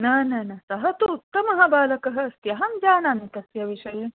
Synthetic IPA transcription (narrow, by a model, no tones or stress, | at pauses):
nɐːnɐnɐsɐɦɐt̪uːt̪ːɐmɐɦɐbaːlɐkɐɦɐst̪jɐɦɐmd͡ʒaːnaːnit̪ɐsjɐʋiʃɐji